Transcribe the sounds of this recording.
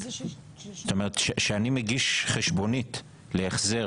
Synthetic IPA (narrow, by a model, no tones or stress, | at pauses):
st̪omeʁetʃeʃeanimeɡiʃχeʃbo̞nit | leeχze̞